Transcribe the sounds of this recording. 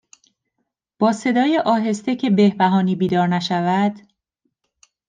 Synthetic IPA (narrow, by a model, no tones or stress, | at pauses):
b̥ɒːse̞d̪ɒːjeʔɒːɦe̞st̪ecʰe̞be̞hbæɦɒːniːbiːd̪ɒːɾnæʃævæd̪̥